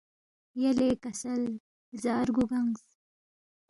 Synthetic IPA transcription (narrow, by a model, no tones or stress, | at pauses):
jalekasal | zɑːɾɡuɡaŋz